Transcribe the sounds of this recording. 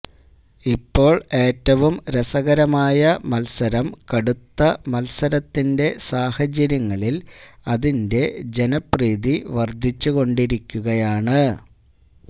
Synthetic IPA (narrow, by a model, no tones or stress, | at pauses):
ipːo̞ːɭe̞ːtːɐʋumɾesɐɣɐɾɐmaːjɐmɐlsɐɾɐmkɐɽut̪ːɐmɐlsɐɾɐt̪ːinde̞saːhɐd͡ʑɐɾjɐŋːɐɭilɐðinde̞d͡ʑe̞nɐpriːðiʋɐrd̪ʱːit͡ɕːuɣo̞ɳɖiɾikʲːuɣɐjaːɳɨ